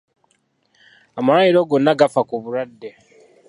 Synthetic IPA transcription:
amaɾajiɾo̞ɡo̞nːaɡafakuβuɾadːe̞

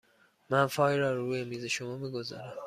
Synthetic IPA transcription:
mænfɒːjɾɒːɾuːjemiːze̞ʃo̞mɒːmiːɡo̞zɒ̰ːɾæm

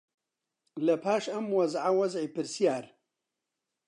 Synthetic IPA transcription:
lɐpʰaːʃɐmwɐzʕawɐzʕiːpɨɾsijaːɾ

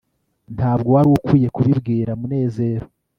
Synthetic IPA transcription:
n̥ʰaːb̚ɡowaɾukwiːje̞kuβibɡiːɾamune̞ːze̞ːɾo

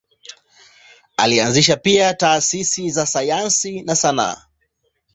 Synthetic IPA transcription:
a̰lianziʃapiataːsisizasajansinasana̰ː

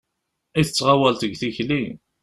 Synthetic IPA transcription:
iθət͡sːʁawælt̪əɡθiçli

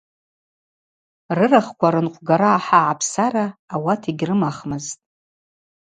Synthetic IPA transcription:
rɨraχkʷaɾɨnqʷʼɡaɾaːħaʕapʰsaraːwatʰiɡʲrɨmaχmɨztʼ

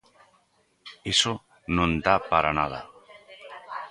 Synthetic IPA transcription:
eso | nõnd̪apaɾanaða̰

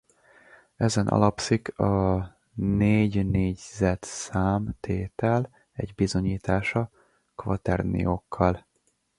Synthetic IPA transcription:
ɛzɛnʔɒ̰lɒpsikɒ | neːɟneːɟzɛt̪saːmt̪eːt̪ɛl | ɛɟbizoɲiːt̪aːʃɒ | kvɒt̪ɛrnḭjokʰːɒl

